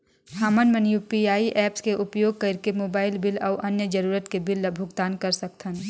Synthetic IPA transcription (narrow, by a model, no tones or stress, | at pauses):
hamənmənjupiaːiʔɛːpskeʔʊpjoːɡ̚kəɾkemoːbaːɪlbɪlɐʊʔɐnjəd͡ʒəɾuːɾət̪kebɪlːəbʱʊɡt̪aːnkəɾsək̚t̪ʰən